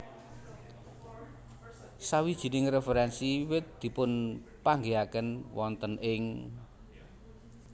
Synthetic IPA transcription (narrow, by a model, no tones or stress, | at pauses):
sawid̥ʒ̥i̤nɪŋrefeɾɛnsiwɪt̪̚d̪̥i̤pʊnpaŋɡeakənwɔnt̪ənʔɪŋ